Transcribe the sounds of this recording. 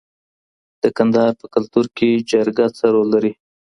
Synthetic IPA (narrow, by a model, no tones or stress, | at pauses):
d̪̥əkand̪ɑɑɾpəkʊlt̪uɾked͡ʒaɾɡat͡səɾolːaɾi